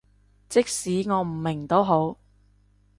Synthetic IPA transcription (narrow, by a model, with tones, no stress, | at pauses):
t͡sɪ˥k̚siː˨˥ŋɔː˨˧m̩˨˩mːɪ˨˩ŋt̪o˥wɦo˨˥w